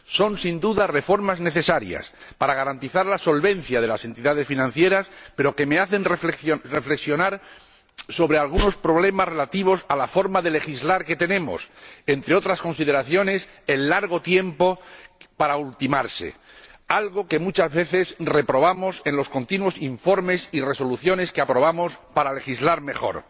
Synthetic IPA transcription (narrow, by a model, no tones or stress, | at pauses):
so̞nsind̪uðare̞fo̞ɾmazne̞θe̞saɾja̰spaɾaɣ̞aɾant̪iθaɾlaso̞lβẽ̞nθjað̞e̞lase̞nt̪iðað̞e̞sfinãn̟θje̞ɾaspe̞ɾo̞ke̞me̞aθe̞nreeore̞fle̞ksjo̞naɾ | so̞βɾe̞alɣuno̞spɾo̞βle̞mazre̞lat̪iβ̞o̞salafo̞ɾmaðe̞le̞xizlaɾke̞t̪e̞nẽ̞mo̞̰se̞nt̪ɾeo̞t̪ɾasko̞nsið̞e̞ɾaθjo̞ne̞se̞nːaɾɣ̞o̞t̪je̞mpo̞paɾault̪imaɾse̞̰ | alɣo̞ke̞mut͡ʃazβe̞θe̞sre̞pɾo̞β̞amo̞se̞nlo̞skont̪inwo̞siɱfo̞ɾme̞sire̞so̞luθjo̞ne̞skeapɾo̞β̞amo̞spaɾale̞xizlaɾme̞xo̞̰ɾ